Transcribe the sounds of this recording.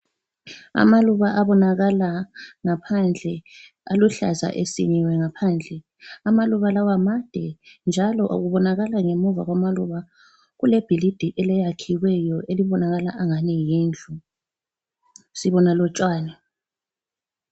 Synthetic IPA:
a̰maluβaʔaβɔnaɣalaŋapʰand͡ɮʱɛ | a̰luɬa̰za̰ʔesḭɲiwɛŋapʰand͡ɮʱɛ | amaluβalawamad̥ʱɛnd͡ʒʱalɔʔo̰ɣuβɔnaɣalaŋemuva̰ɣwamaluβa | ɣuleb̥ʱilid̥ʱiʔɛlɛjakʰiwɛjɔeliβɔnaɣalaʔaŋanijiːnd͡ɮʱu | siβɔnalɔt͡ʃʼwaːnɛ

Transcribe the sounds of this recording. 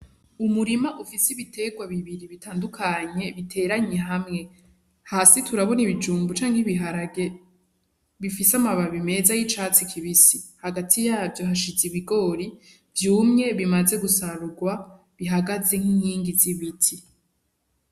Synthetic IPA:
umuɾimaʔufisiβitʰe̞ɡwaβiβiɾiβitʰaːndukʰaɲe̞βitʰe̞ːɾaɲe̞ɦamŋe̞ | haːsitʰuɾaβo̞niβid͡ʒuːmbut͡ʃaːŋhiβiɦaɾae | βifisamaβaβime̞zajit͡ʃat͡sikʰiβisihaɡatʰijaːvjo̞ɦaʃiziβiɡo̞ːɾi | vjuːmŋe̞βimaze̞ɡusaɾuɡwa | βiɦaɡaze̞ŋ̥hiɲiːŋɡiziβitʰi

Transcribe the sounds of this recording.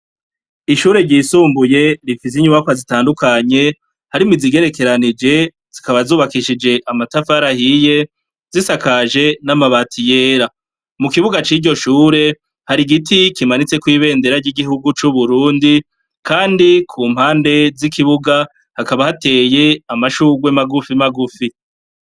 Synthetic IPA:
iʃuːɾe̞ɾɟiːsuːmbuje̞ɾifis̬iɲuβakwazitaːndukaɲe̞ | haɾimiziɡe̞ɾe̞ke̞ɾanid͡ʒe̞ | z̥ikaβazuːβakiʃid͡ʒe̞ʔamatafaɾahije̞ | z̥isakaʒe̞namaβatʰije̞ːɾa | mukiβuɡat͡ʃiːɟo̞ʃuːɾe̞ | haɾiɡitikimanit͡se̞kwiːβe̞ːnde̞ɾaɾɟiɡiɦuɡut͡ʃuβuɾuːndi | kʰaːndikʰuːm̥haːnde̞zikiβuɡa | hakaβahate̞ːje̞amaʃuːɡwemaɡufimaɡufi

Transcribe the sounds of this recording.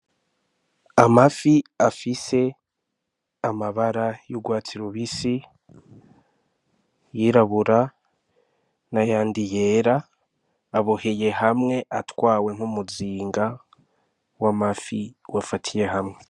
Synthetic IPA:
amafiafise̞ | amaβaɾajuɡwaːt͡siɾoβisi | jiɾaβuɾa | najaːndijeːɾaː | βoheje̞hamŋe̞ʔatwaːwe̞ŋhumuziːŋɡa | wamafiwafatʰije̞ɦamŋe̞

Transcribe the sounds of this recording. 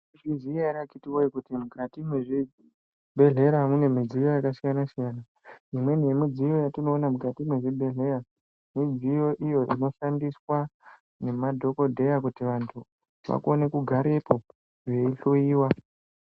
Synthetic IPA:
ʐiziaɾakitiwoikutimukʰatimweʐi | bʱe̞ɮe̞ɾamune̞mid͡zijo̞jakasijanasijaːna | imwe̞ne̞mid͡zijo̞jatino̞ːnamukatimweʐibʱe̞ɮe̞ɾa | mid͡zijo̞ʔijo̞ʔino̞ʃandiswa | ne̞madʱo̞ko̞dʱe̞jakutiʋantʰu | ʋa̰kuone̞kuɡʱaɾe̞po̞ | ʐe̞iɬujiːwa

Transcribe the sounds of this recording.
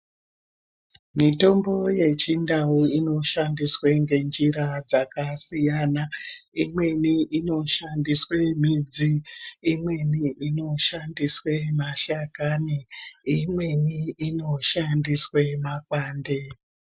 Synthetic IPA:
mito̞mbo̞je̞t͡ʃindauino̞ʃandisweŋɡe̞nd͡ʒiɾad͡zakasijanaimwe̞niʔino̞ʃandiswe̞m̤id͡ziːmwe̞niʔino̞ʃandiswe̞maʃakaniimwe̞niino̞ʃandiswe̞makwaːnde

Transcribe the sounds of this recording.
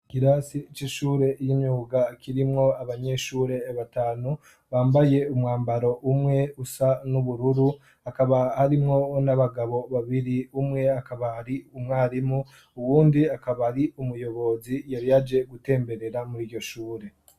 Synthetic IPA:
kiɾasit͡ʃiʃuːɾe̞jimɲuːɡakʰiɾimŋo̞aβaɲe̞ːʃuːɾe̞βataːnu | βaːmbaje̞umŋaːmbaɾo̞ʔumŋe̞usanuβuɾuɾu | akaβahaɾimŋo̞naβaɡaβo̞βaβiɾiumŋe̞akaβahaɾiumŋaːɾimu | uβuːndiakaβaɾiumujo̞βo̞zijaɾijad͡ʒe̞ɡute̞ːmbe̞ɾe̞ɾamuɾiːɟo̞ʃuːɾe̞

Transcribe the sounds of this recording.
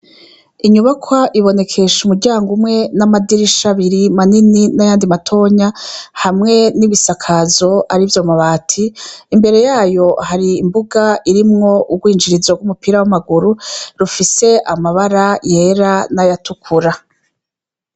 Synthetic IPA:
iɲuβakʰwaʔiβo̞ne̞kʰe̞ʃumuɾɟaːŋɡumŋe̞namadiɾiʃaβiɾimanininajaːndimatʰo̞ɲahamŋe̞niβisakʰazo̞ʔaɾivjomaβaːtʰiːmbe̞ɾe̞jaːjo̞haɾiːmbuɡaiɾimŋo̞ʔuɡwiːnd͡ʒiɾizoɡwumupiɾawamaɡuɾuɾufise̞ʔamaβaɾaje̞ːɾanajatukʰuɾa

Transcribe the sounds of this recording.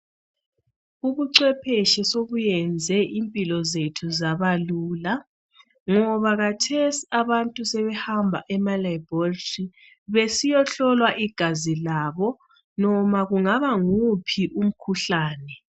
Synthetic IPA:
uɣuǀwɛpʰeʃɛsoβujɛnd͡zʱɛʔimpʼilɔzetʰuzaβaluːla | ŋɔβaɣatʰesiaβantʼusɛβɛhambʱa̰ʔɛmalaiboltʼi | βesijɔɬɔlwaʔiɡ̥ʱazilaβɔ | nɔmaɣuŋaβaŋupʰiʔum̩kʰuɬaːnɛ

